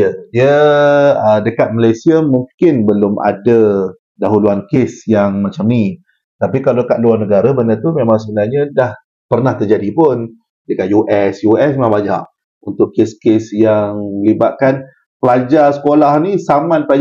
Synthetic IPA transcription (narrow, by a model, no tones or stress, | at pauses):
jədiə | ədəkat̪̚malajsiamuŋkɪnbəlʊmʔa̰də | daɦuluankesjaŋmat͡ʃamni | t̪apikalokat̪̚luarnəɡaɾabənət̪umemãŋsəbənaɲədah | pərnaht̪ərd͡ʒadipʊn | dəkat̪̚juʔɛsjuɛsmmãbad͡ʒa̰ʔ | unt̪ʊʔkeskesjaŋməlibat̪̚kan | pəlad͡ʒasəkolahnisamãnpa